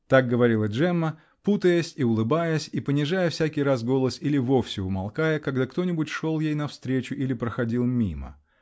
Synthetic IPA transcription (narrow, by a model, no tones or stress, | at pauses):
t̪ak̚ɡəvɐɾʲilˠəʐɛmːə | put̪əjəsʲiʊlˠɨbajəsʲipənʲɪʐajəfsʲækʲɪjɾas̬ɡo̞lˠəsilʲɪvo̞fsʲɪʊmɐlˠkajəkaɡd̪akt̪o̞nʲɪbʊtʲʂo̞lˠjejnɐfst̪ɾʲet͡ɕʊʔilʲɪpɾəxɐdʲilˠmʲimə̰